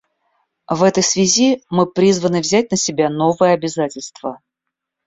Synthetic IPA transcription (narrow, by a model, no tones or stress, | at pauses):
vɛt̪əjsvʲɪzʲimɨpɾʲizvənɨvzʲæt̚ʲnəsʲɪbʲanovɨjəɐbʲɪzatʲɪlʲst̪v̥ə